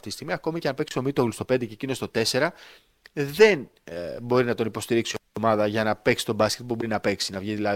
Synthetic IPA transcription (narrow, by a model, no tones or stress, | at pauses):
t̪itist̪iɣmiɐko̞micnɐpe̞ksi̥t̪o̞mit̪oɣlust̪o̞pe̞nd̪e̞cecinost̪o̞t̪e̞se̞ɾɐ | ðe̞n | bo̞ɾinɐt̪onipo̞st̪iɾiksioomɐðɐʝɐnɐpe̞ksi̥t̪o̞bɐsce̞t̪̚pubo̞ɾinɐpe̞ksinɐvʝiðilɐ